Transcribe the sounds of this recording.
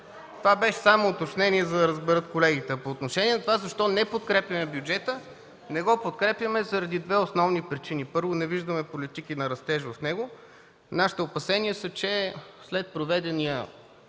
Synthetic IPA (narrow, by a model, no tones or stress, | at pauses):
t̪ovabɛʃɛ̥samoːt̪ot͡ʃnɛniɛzɐd̪ɐɾəzbɛɾɤt̪kolɛɡit̪ɛpoːt̪noʃɛniɛnɐt̪ovazɐʃt̪ɔnɛpot̪̚kɾɛpjɐmɛbjud͡ʒɛt̪ə | nɛɡɔpot̪kɾɛpjəmɛzɐɾɐd̪id̪vɛosnɔvnipɾit͡ʃinipɤɾvonɛviʒd̪əmɛpolit̪ikinɐɾɐst̪ɛʒvɐfnɛɡo | naʃi̥t̪ɛopɐsɛniəsət͡ʃɛslɛt̪̚pɾovɛd̪ɛnijə